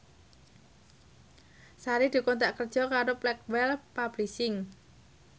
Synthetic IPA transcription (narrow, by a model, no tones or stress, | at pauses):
saɾid̪̥ṳkɔnt̪aʔkərd̥ʒ̥ɔ̤kaɾoplɛk̚wɛlpab̥lisɪŋ